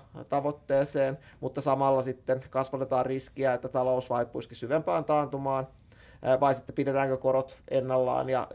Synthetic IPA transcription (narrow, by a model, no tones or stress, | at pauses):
t̪ɑʋot̪ːeːseːnmut̪ːɑsɑmɑlːɑsit̪ːenkɑsʋɑt̪et̪ɑːrriskiæet̪ːæt̪ɑlousʋɑipːuiskisyʋempæːnt̪ɑːnt̪umɑːn | ʋɑisit̪ːe̥pidet̪æːŋkøkoɾot̪ʔenːɑlːɑ̰ːnjɑ̰